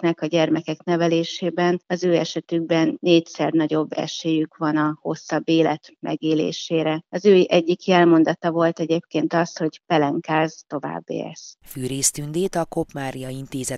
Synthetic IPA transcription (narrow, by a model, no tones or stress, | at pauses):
nɛkɒɟɛrmɛkɛknɛvɛleːʃeːbɛnɒzøːɛʃɛt̪yɡ̚bɛnːeːcsɛrnɒɟo̞bːɛ̰ʃeːjykʋɒnɒho̞sːɒbːeːlɛt̪mʔɛ̰ɡeːlḛːʃeːɾɛɒzøːiʔɛɟːikiɛlmo̞nd̪ɒt̪ɒvo̞lt̪ɛɟeːp̚keːnt̪ɒsho̞ɟpɛlɛŋkaːzt̪o̞va̰ːbːḛːɛ̰sfyːɾeːst̪ynd̪eːt̪ɒko̞pmaːɾijɒint̪eːzɛ